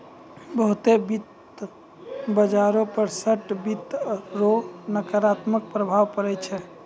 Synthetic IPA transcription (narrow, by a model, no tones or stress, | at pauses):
bəɦut̪ebit̪ | bəd͡ʒaɾopəɾsəʈbit̪ɾonəkəɾat̪mək̚pɾəbʱaʋpəɾɛt͡ʃʰɛ